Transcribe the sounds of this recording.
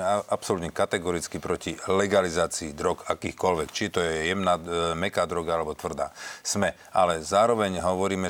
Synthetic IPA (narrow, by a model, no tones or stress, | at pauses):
ɛapsɔlut̪ɲɛkat̪ɛɡɔɾit͡skipɾɔcilɛɡalizaːt͡siːd̪ɾɔkakiːxkɔlʋɛkt͡ʃit̪ɔjɛjɛmnaːmɛkaːd̪ɾɔɡaalɛbɔt̪ʋr̩d̪a̰ːsmɛ | alɛzaːɾɔʋɛɲɦɔʋɔɾiːmɛ